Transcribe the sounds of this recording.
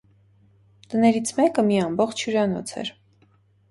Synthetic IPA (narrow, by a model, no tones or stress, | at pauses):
t̪ənɛɾit͡sʰmɛkəmiɑmbɔχt͡ʃʰjuɾɑnɔ̰t͡sʰɛ̰ɾ